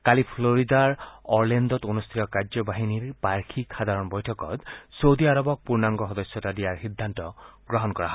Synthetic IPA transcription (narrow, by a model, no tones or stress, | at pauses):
kalipʰloɾid̪aɾɔɾlend̪ɔt̪onust̪ʰit̪ɔkaɾd͡ʒɔbaɦiniɾpaɾkʰikʰxad̪ʱaɾɔnbɔjʈʰɔkɔ̰t̪sowd̪iaɾɔbɔk̚puɾnaŋɡɔxɔd̪ɔsjɔtadiaɾxid̪ʱːant̪ɔɡɾɔɦɔnkɔɾaɦɔ